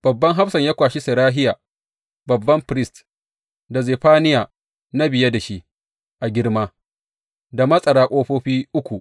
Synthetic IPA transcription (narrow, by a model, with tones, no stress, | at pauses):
b̥ɐ˨bːɐ˦ŋɦa˦fsɐ˨ɲjaː˦kʷaː˨ʃi˦sɪ˨ɾaː˦ɦɪ˦jaː˨ | bɐ˨bːɐ˦mɸɾɪ˦st | da˨zeː˨ɸaː˦nɪ˦jaː˨ | na˦bɪ˨je˦da˨ʃi˦ʔ | ʔa˨ɡʲɪ˦ɽmaː˦ | da˨mɐ˦sʼɐ˨ɽaː˨kʷʼoː˦ɸoː˦ɸiː˦ʔʊ˦kʷu˨ʔ